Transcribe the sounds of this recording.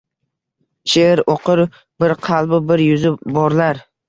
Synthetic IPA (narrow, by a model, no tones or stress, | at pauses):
ʃeɾoqɨɾ | bɪɾqʰɑlˠbɪbɪɾjʊzɪbɒɾlaɾ